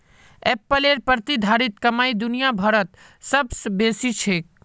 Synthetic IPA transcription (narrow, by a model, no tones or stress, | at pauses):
epːəleɾpəɾt̪id̪ʱaɾit̪̚kəmaid̪unijabʱəɾət̪ | səbsbesit͡ʃʰek̚